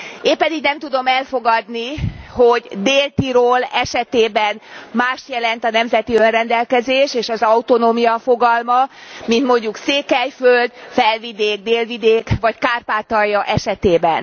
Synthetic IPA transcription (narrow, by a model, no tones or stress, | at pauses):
eːmpɛd̪iɡnɛmt̪ud̪o̞mɛlfo̞ɡɒd̪niho̞ɟd̪eːlt̪iɾoːlɛʃɛt̪eːbɛnmaːʃt̪jɛlɛnt̪ɒnɛmzɛt̪iønrɛnd̪ɛlkɛzeːʃeːʃɒzɒut̪o̞noːmijɒfo̞ɡɒlmɒmint̪mo̞ɲɟukseːkɛjføld̪fɛlvid̪eːɡ̚d̪eːlvid̪eːkʋɒckaːrpaːt̪ɒjːɒʔɛʃɛt̪eːbɛn